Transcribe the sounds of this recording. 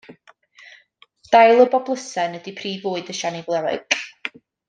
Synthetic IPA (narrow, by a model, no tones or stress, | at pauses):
d̥ajlˠəbɔblˠəsɛnɛdipʰriːvvoːɨdəʃanivlˠɛlɨ̰ɡ